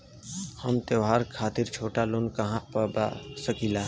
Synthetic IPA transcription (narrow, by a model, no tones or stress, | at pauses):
həmt̪eːɦaːɾkʰaːt̪ɪɾt͡ʃʰoːʈaloːnkəɦãpəba̰səkilaː